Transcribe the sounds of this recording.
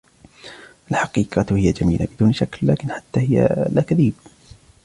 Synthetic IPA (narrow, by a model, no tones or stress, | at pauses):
ʔalħɑqiːqɑhɪjad͡ʒamiːlabɪd̪uːnʃaklːaːkɪnħat̪ːaːhɪja̰laːkaðiːb